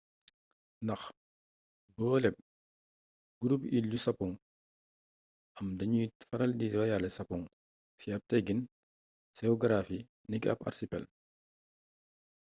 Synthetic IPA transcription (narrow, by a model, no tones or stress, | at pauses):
nɐx | bɔːlɛp̚ | ɡ̥uɾupiljusɐpɔŋ | ʔɐmdɐɲuitfɐɾɐldiɾɔjalɛsɐpɔŋ | siɐp̚tɛɡin | sɛɔɡɐɾafi | nikɐ̰pɐ̰rsipɛ̰l